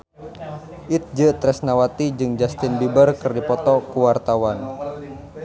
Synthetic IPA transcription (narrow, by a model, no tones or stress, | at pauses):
ʔit̪̚d͡ʒət̪ɾɛsnawat̪id͡ʒɨŋd͡ʒast̪ɪnbibərkɨrdipɔt̪ɔkuwart̪awan